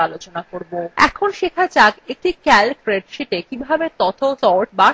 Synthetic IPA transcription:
alot͡ɕonakoɾboɛ̰kʰonʃekʰat͡ɕakek̚ʈikɛlfɾeɖʃeʈekibʱabet̪ɔt̪ʰot̪ɔɾʈba

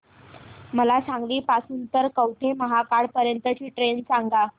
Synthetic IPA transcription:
məlasãŋɡliːpasuːnt̪əɾkəwʈʰeməɦakaɽpəɾjənt̪ət͡ɕiːʈɾensãŋɡa

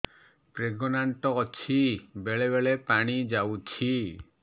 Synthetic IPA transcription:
pɾeɡɔnaɳʈɔːt͡ʃʰibeɭebeɭepaɽ̃id͡ʒawt͡ʃʰi

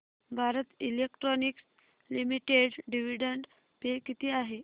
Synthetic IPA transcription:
bʱaɾət̪ilekʈɾɔniks | limiʈeɖɖiʋiɖəɳɖ | pekit̪iːaɦe

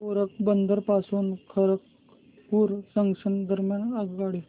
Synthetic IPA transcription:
oɾək̚bənd̪ʱəɾpasuːnkʰəɾək | puːɾsəŋɡsənd̪əɾmjanaɡɡaɽe

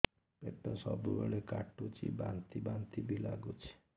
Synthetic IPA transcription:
pet̪ɔsɔbubeɭekaʈːut͡ʃḭbant̪ibant̪ibʱilaɡut͡ʃʰi̥

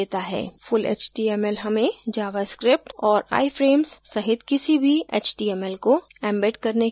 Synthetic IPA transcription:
eːt̪aɦɛ̰ːfʊlḛːt͡ʃʈiɛːmɛlɦɐmẽd͡ʒaːʋaskɾɪp̚ʈɔːɾa̰ːifɾeːmsːɐɦɪt̪kɪsibʱiḛːt͡ʃʈiɛːmɛlko | ɛ̃ːmbeʈkɐɾne

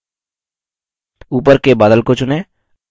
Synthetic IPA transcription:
uːpəɾkebaːd̪əlkot͡ʃʊneː

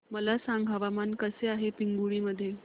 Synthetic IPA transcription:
məlasaŋɡʱɦaʋamankəseaɦepiŋɡuɭiːməd̪ʱːje

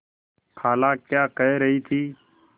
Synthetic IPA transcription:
kʰaːlaːkjaːkəɦeɾɐɦit̪ʰiː

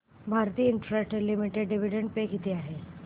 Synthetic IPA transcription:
bʱaɾt̪iːəiɳʈɾeʈelimiʈeɖɖiʋiɖeɳɖpeɡʱit̪iaɦe

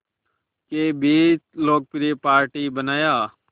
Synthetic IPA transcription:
keːbiːt͡ʃloːk̚pɾiːpaːɾʈiːbənaːjaː

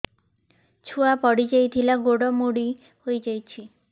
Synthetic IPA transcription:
t͡ʃʰuapɔɽid͡ʒajt̪ʰilaɡoɽɔmoɽi | hojd͡ʒajt͡ʃʰi

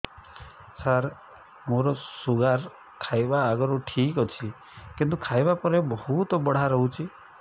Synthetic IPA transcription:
saɾ | moɾɔsuɡaɾ | kʰajbaːɡɔɾuʈʰikɔt͡ʃʰi | kint̪̬ukʰajbapɔɾebɔhut̪ɔbɔɽ̤aɾɔɦũt͡ʃʰi

